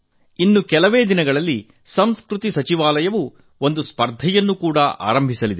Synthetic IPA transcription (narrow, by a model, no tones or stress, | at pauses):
inːukɛlɐʋeːd̪inɐɡɐɭɐlːi | sɐmskɾut̪isɐt͡ʃiʋaːlɐjɐʋu | o̞nd̪uspɐɾd̪ʱɛjɐnːukuːɽɐʔa̰ːɾɐmbʱisɐlid̪e